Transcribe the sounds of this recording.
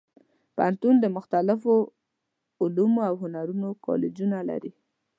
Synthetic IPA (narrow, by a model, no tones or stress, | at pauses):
pa̰nt̪und̪əmʊxt̪alɪfo | ʊlumoawɦʊnaɾunokʰɑ̰led͡ʒunala̰ɾi